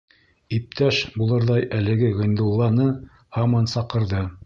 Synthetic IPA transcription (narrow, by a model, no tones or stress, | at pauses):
ip̚t̪æʃbulˠɤ̆ɾðɑjʔælɘ̆ɡɘʁɤ̆jnd̪ulˠːɑnɤ | hɑmɑnsɑqɤ̆ɾðɤ